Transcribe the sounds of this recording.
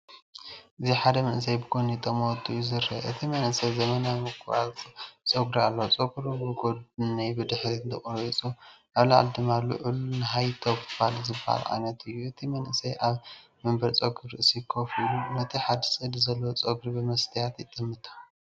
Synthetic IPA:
ʔɨziħad̪ɐmɐnɨs̬ɐjbɨɡonit̪ʼːɐmot̪ʰʼːujːuzɨɾːɐʔɨt̪ʰimɐnʔɨsɐjzɐmɐnamɨkʰat͡sʼoɡɾialːɐot͡sʼoɡɾubɨɡodnɐjbɨd̪ɨħɾiɨnt̪ʰɐχʼɾt͡sʼuʔaβla̰ʕ̰ld̪ɨmalːṵʕɨlunɨɦajt̪ʰobfalzɨbɐha̰lʕa̰jnɐt̪ʰɨjːuʔɨt̪ʰimɐnʔɨsɐjʔaβmɐmbɐɾt͡sʼoɡɨɾɨʔɨsikʰofilunɐt̪ʰiħad̪ɨsʼɨd̪zɐlːowt͡sʼoɡɾibɨmɐst̪ʰɐjat̪jɪt̪ʼːɨmːɨt̪ʰḁ

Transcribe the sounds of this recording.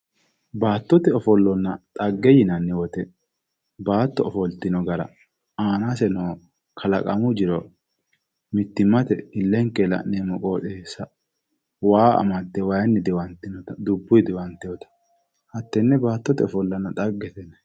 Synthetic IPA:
baːt̪ːɔt̪ɛɔfɔlːɔnːɐt̪ʼɐɡːɛjɪnɐnːɪwɔt̪ɛ | baːt̪ːɔːfɔlt̪ɪnɔɡɐɾɐ̰ | aːnasɛnoː | kʰɐlɐkʼɐ̰mʊd͡ʒɪɾɔ | mɪt̪ːɪmːɐt̪ɛɪlːɛŋkɛlɐ̰ʔneːmɔkʼo̞ːᶑ̪esɐ | waːɐ̰mɐt̪ːɛwajɛnːɪd̪ɪwɐnt̪ːɪnɔt̪ɐd̪ʊbːʊjd̪ɪwɐnt̪ɛjɔt̪ɐ̥ | hɐt̪ːɛnːɛbaːt̪ːɔt̪ɛɔfɔlːɐnːɐt̪ʼɐɡːɛt̪ɛnɛ

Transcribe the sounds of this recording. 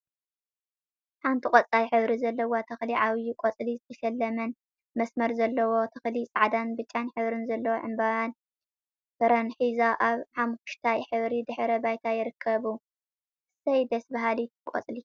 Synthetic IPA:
ħant̪ʰikʼɔt͡sʼajħɨβɾizɐlːɐwot̪ʰɐxliʕaβjɪkʷʼot͡sʼlizɨt̪ʰɐʃɐlːɐmɐn | mɐsmɐɾzɐlːɐwo̞t̪ʰɐxlisʼaʕd̪anbɨt͡ʃʼːanħɨβɾɨnzɐlːɐwoʕɨmbawan | fɐɾɐnħizaʔaβħamkʊ̥ʃt̪ʰajħɨβɾid̪ɨħɾɐbajt̪ʰajɪɾɨkʰːɐβu | sɐjd̪ɐsbaɦalit̪ʰɨkʼo̰t͡sʼli

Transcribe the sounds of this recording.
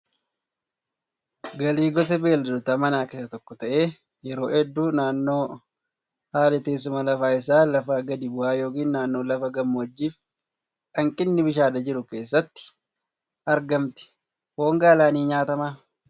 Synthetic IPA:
ɡɐliːɡɔs̬ɛbeːld̪d̪ʊt̪ɐmɐnaːkɪːsɐt̪ɔkːɔt̪ɐʔeː | jɛɾo̞ːɛd̪ːuːnaːnːo̞ː | haːlɛt̪eːs̬ʊmɐlɐfaːɪsaːlɐfaːɡɐd̪ɪbʊhaːjo̞ːkiːnnaːnːo̞ːlɐfɐɡɐmːɐd͡ʒːiːf | ɐŋkʼɪnːɪbɪʃaːd̪ɐd͡ʒɪɾʊke̞ːsːɐt̪ːɪ̥ | ʔɐɾɡɐmt̪ɪ̥ | ho̞ːŋɡaːlaːniːɲaːt̪ɐmaː

